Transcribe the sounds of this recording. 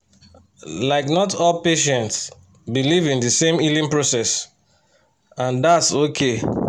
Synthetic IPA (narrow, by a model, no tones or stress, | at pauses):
laɪknɔtʰɔlpeʃɛ̃nts | bilivĩndəsẽmilĩnpɹosɛs | ãndatsokʰe